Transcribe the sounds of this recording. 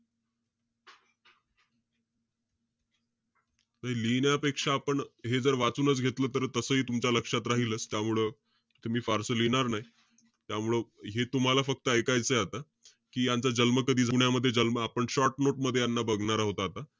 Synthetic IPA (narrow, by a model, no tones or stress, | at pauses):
naɦilinjapekʂaːpəɳɦed͡zəɾʋat͡suːnət͡sɡʱet̪ləːt̪əɾt̪əsəːɦiːt̪umt͡ɕjaləkʂat̪ɾaɦiləːst̪jamuɭə | t̪umiːfaɾsəlinaɾnaɦi | t̪jamuɭəɦet̪um̤alafək̚t̪əekajt͡səːjat̪a | kiːjant͡sad͡ʑəlməkəd̪ʱiːd͡zʱuɳjaməd̪ʱːjed͡ʑəlməapəɳɕɔɾʈnoʈ̚məd̪ʱːejanːabəɡɳaɾaɦot̪aːt̪a